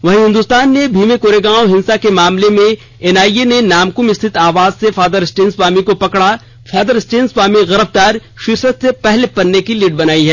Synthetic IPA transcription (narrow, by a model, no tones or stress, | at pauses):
ʋɐɦĩɦɪ̃nd̪ust̪aːnːebʱiːmekoːɾeɡaːõɦɪ̃nsakemaːmlemẽ | ɛnaːienenaːmkʊmɪst̪ʰɪt̪aːʋaːzsefaːd̪əɾɪsʈeːnsbaːmikopɐkɽa | faːd̪əɾɪsʈeːnsbaːmiɣɐɾəb̚d̪aːɾʃɪɾsət̪sepɛɦlepɐɾnːekiliːʈ̚bɐnaːiɦɛː